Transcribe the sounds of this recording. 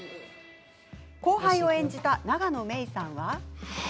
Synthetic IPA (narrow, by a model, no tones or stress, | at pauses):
ko̞ːɦaĩo̞ẽ̞ɲ̟d͡ʑit̪anaɡano̞me̞isãɰ̃βa